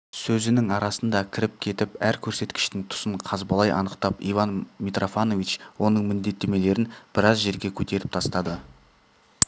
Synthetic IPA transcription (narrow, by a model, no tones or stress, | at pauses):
sɵzɪnɪŋɑɾɑsənd̪ɑkʲʰɪɾɪp̚kʲʰe̞t̪ɪpæɾkʲʰɵɾse̞t̪kʲɪ̥ʃt̪ɪŋt̪ʰʊ̥səɴqʰɑzbɑlˠɑjʔɑ̰nəqt̪ɑpivanmit̪ro̞fano̞vit͡ʃwo̞nəɴmɪnd̪e̞t̪ːe̞me̞le̞ɾɪnb̥ɪɾɑzʒe̞ɾɡʲe̞kʲʰɵt̪e̞ɾɪp̚t̪ʰɑst̪ɑd̪ə